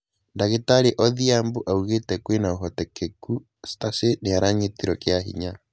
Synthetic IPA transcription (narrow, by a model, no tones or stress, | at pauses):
ndaɣetaɾeʔɔðiamboʔauɣetɛkwenaoɦɔtɛkeku | staseneaɾaɲetiɾɔkjaɦḭɲa